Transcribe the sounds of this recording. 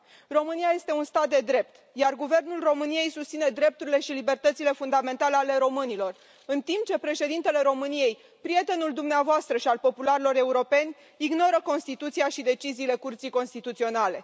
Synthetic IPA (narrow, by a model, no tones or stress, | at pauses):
ro̞mɨnijaje̞st̪e̞unst̪at̪̚d̪e̞d̪ɾe̞p̚t̪ | jarɡuve̞rnulro̞mɨnije̞jsust̪sine̞d̪ɾe̞p̚t̪uɾile̞ʃilibe̞rt̪ət̪sile̞fund̪ame̞nt̪aleale̞ɾo̞mɨnilo̞r | ɨnt̪impt͡ʃe̞pɾe̞ʃe̞d̪int̪e̞le̞ɾo̞mɨnije̞j | pɾije̞t̪e̞nuld̪umneavoast̪ɾəʃialpo̞pulaɾilo̞ɾe̞uɾo̞pe̞nʲ | iɡno̞ɾəko̞nst̪it̪ut̪sijaʃid̪e̞t͡ʃiziːle̞kurt̪sijko̞nst̪it̪ut̪sio̞nale̞